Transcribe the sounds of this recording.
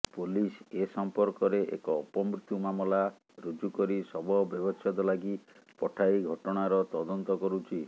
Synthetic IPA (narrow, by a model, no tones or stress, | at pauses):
pulisesɔmpɔɾkɔɾeʔḛkɔːpɔmɾut̪ːumamɔla | ɾud͡ʒukɔɾisɔbɔbjɔbɔsɔd̪ɔlaɡi | pɔʈʰajɡʱɔʈɔɽ̃aɾɔt̪ɔd̪ɔnt̪ɔkɔɾut͡ʃʰi